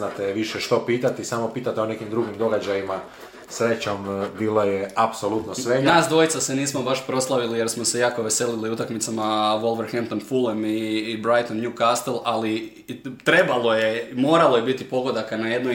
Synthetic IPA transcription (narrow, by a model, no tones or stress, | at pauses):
nat̪eʋiʃeʃt̪o̞piːt̪at̪isaːmo̞piːt̪at̪eone̞kimd̪ɾuɡimd̪o̞ɡad͡ʑajima | sɾe̞t͡ɕombiːlˠojeapsolut̪nosʋenaːsd̪ʋo̞jt̪sase̞niːsmo̞baʃpɾo̞slˠaʋilije̞ɾsmose̞jaːko̞ʋe̞se̞liliut̪akmit̪samaʋo̞lʋeɾxent̪onfulemibɾajt̪onnjukast̪elˠali | t̪ɾe̞balˠo̞jemo̞ːɾalo̞je̞bit̪ipo̞ɡo̞d̪akanaje̞d̪no